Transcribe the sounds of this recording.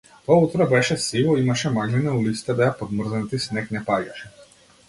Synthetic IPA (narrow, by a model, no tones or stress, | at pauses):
t̪ɔut̪ɾɛbɛʃɛsivɔimaʃɛmaɡlinaulit̪si̥t̪ɛbɛapɔd̪mr̩znt̪isnɛknɛpaɟaʃɛ